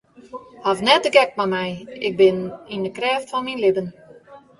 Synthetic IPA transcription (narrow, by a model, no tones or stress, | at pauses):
havnɛt̚dəɡɛk̚mamɛjɪk̚bɪnindəkrɛːftfɔnminlɪbən